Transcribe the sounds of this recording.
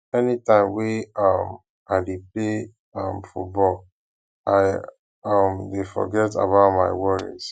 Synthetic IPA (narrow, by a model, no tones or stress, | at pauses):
ɛnitãɪ̃mweʌm | aɪdeple | ʌ̃mfut̚bɔl | aɪ | ʌmdefɔ̰ɡɛta̰baʊtmaɪwɔɹḭz̥